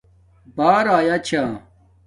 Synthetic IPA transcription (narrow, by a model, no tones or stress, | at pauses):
baːɾaːjat͡ɕʰa